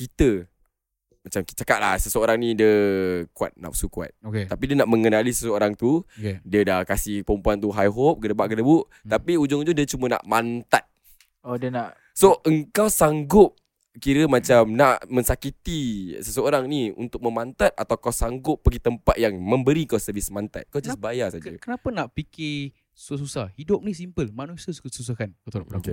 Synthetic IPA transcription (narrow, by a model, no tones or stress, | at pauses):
kit̪ə | mat͡ʃamit͡ʃakaʔ̪̚la̰hsəsəoɾaŋnĩdəkua̰t̪̚na̰ʔpsukua̰t̪̚oket̪apidiənaʔmə̃ŋənalisəsəoɾaŋt̪ukdiədakasɪhpəɾəmpuant̪uɦajɦop̚kədəbaʔkədəbuʔ | t̪apiud͡ʒʊŋud͡ʒudiət͡ʃuməna̰ʔmant̪at̪̚ | odiənaʔ | soʔəŋkawsaŋɡʊp̚ | kiɾəmat͡ʃamnaʔmə̃nsakit̪isəsəoɾaŋniṵnt̪ʊk̚məmant̪at̪̚at̪awkawsaŋɡʊpːəɡit̪əmpat̪̚jaŋmə̃mbəɾiəŋkawsəvɪsmant̪a̰t̪̚kawd͡ʒasbajasad͡ʒəkənapanaʔpikɪ | su̥asusahhidʊp̚nisimpəlmanusiəsusus̬ahkankat̪oake